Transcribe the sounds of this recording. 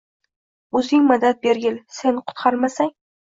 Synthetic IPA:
ɵzɪŋmʊd̪at̪̚beɾɡʲɪlse̞nqʰʊ̥t̪qʰɑɾmasaŋ

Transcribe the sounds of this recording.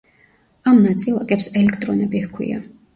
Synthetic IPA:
amnat̪sʼilˠakʼɛpsɛlɛkʰt̪ʼɾɔnɛbihkʰwḭa̰

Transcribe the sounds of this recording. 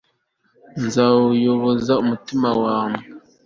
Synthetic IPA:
nzawjobozaʔmətɨmawaːmə

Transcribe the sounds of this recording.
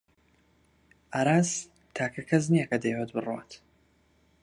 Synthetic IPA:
ʔaɾaːz | t̪ʰaːkʰɐkʰɐznijakɐd̪ejwot̪̚bɨrwa̰t̪

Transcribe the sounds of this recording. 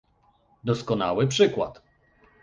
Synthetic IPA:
d̪ɔskɔna̰wɘpʂɘkwa̰t̪

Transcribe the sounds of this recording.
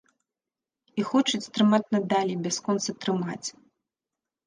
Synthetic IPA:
ixɔt͡ʂɐt͡sʲt̪ɾɨmat͡sʲnad̪alʲibʲaskɔnt̪sɐt̪ɾɨmat͡sʲ

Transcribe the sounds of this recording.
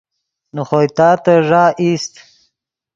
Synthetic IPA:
noχojt̪ɑːt̪aʐɑːist̪

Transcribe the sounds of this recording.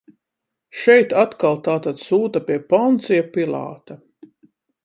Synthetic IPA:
ʃɛjt̪at̪kalˠt̪aːt̪ad̪suːt̪apiɛpɔnt̪sijapilˠa̰ːt̪a

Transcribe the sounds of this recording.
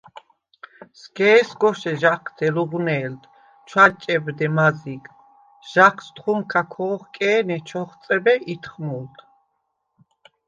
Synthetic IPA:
skʰɛːsɡɔʃɛʒaqʰd̪ʰɛluʁnɛːld̪ | t͡ʃʰwat͡ʃʼɛbd̪ɛmazik | ʒ̥aqʰst̪χumkʰakʰɔːχkʼɛːnɛt͡ʃʰɔχt̪t͡s̪ʼɛbɛʔit̪ʰχmult̪ʰ

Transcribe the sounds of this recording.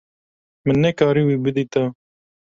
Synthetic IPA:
mɨnːɛkɑːɾiːwiːbɨd̪iːt̪a

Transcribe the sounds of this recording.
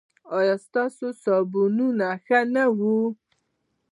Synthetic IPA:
ɑjɑst̪ɑsosɑbununaxanawu

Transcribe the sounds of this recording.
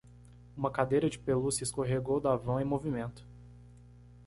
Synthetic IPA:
ũmɐkad̪ejɾɐd͡ʒɪpelusɪskoɦeɡowd̪avɐ̃w̃ẽmovimẽnt̪ʊ̥

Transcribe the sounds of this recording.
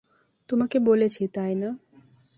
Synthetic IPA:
t̪omakebolet͡ɕʰit̪ajna

